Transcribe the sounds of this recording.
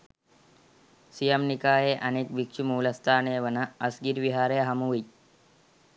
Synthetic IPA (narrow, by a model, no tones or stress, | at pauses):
sijəmnikaːɦeʔəneːkʋikʂumuːləst̪ʰaːneːʋənaːsɡiɾʋiɦaːɾeːɦamuʋi